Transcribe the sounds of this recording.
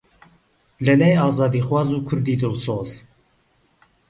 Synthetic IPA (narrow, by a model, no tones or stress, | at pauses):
lɨlɛjɑːzɑːd̪iːxwɑːzuːkʰʊɾd̪iːd̪ɨlsoːz